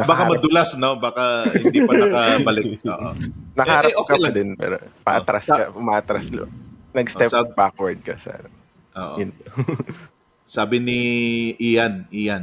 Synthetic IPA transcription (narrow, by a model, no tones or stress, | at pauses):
nɐbaːkamɐd̪ʊlasnobaːkɐhɪnd̪iːpɐnkɐɐbɐlɪk̚oːʔo̰nɐkaaɾɐɛʔoːkɐjlaɐd̪ɪnpɛ̰ːɾo̰pɐ̰ʔɐt̪ɾaskɐpʊmaːʔɐt̪ɾaslɐ̰nɐɡst̪ɛsp̚bakwɐɹd̪̚kɐsɛ̰ːnɐ | ʔo̰ːʔojʊn | saːbɪnɪʔijanʔijan